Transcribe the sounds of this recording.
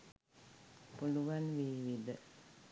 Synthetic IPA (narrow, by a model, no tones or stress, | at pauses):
puluʋanʋiːʋid̪ə